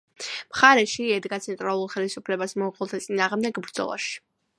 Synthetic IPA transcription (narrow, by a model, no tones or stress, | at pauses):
mχaɾɛʃiɛd̪ɡat̪sʰɛnt̪ʼɾalˠuɾˠχɛlisupʰlɛbasmɔuqʼɔlˠt̪ʰat̪sʼinaːʁmd̪ɛɡbɾd̪zɔ̰lˠa̰ʃi̥